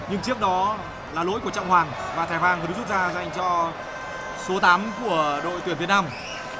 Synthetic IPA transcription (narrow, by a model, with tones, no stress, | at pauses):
ɲɨ˧ŋt͡ɕɨ˦˥ək̚ɗɔ˨˦ | laː˨˩lo̰˧˥jku˧˩ət͡ɕə̰˧˨wŋ͡mhwaː˨˩ŋ | vaː˨˩t̪ʰaː˨˩jɦwaː˨˩ŋt̪ɨ˨˦zu˦˥t̚zaː˧za˨˩jŋ̟t͡ɕɔ˧ | so˨˦t̪aː˨˦mku˧˩əɗo̰˧˨jt̪wi˨˩ənvi˧˩ətnaː˧m